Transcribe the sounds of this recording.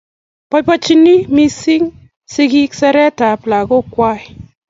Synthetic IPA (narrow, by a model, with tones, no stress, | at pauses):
pɔ˦jpɔ˦t͡ʃi˦ni˦mi˦si˦ŋ | sɪ˦ki˦ksɛ˦ɾɛ˦ta˨pla˨ɡo˦kwa˦ɪ˨